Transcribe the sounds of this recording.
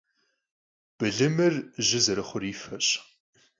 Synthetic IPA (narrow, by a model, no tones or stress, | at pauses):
b̥ɨɮɨmɨrʑɪzɐɾɨχʷʊriːfɐɕʼ